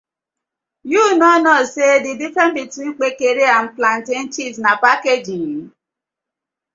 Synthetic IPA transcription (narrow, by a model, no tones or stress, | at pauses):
junɔnɔsedɪdifɛnbitwin̩k͡pekeɾean̩planten̩t͡ʃiznapaked͡ʒi